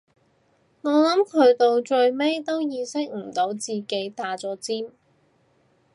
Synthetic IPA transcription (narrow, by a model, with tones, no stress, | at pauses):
ŋɔː˨˧lɐ˨˥mkʰɵ˨˧ɥt̪o˨˧wt͡ʃɵ˧ɥme˥jt̪o˥wjiː˧sɪ˥k̚m̩˨˩t̪o˨˥wt͡siː˨ke˨˥jt̪aː˨˥t͡sɔː˨˥t͡siː˥m